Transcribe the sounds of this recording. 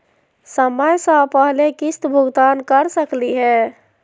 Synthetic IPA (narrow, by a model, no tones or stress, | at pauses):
səməjsãpəɦlekɪst̪bʱʊɡt̪aːnkəɾsəkliɦɛː